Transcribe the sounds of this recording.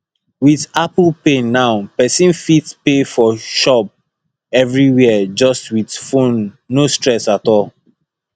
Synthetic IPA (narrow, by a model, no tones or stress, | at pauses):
wiðapl̩penaʊpɛsĩnfitpefɔʃɔp̚ | ɛvɹiwɛd͡ʒɔstwitfõnː | ostɹɛsatɔlˠ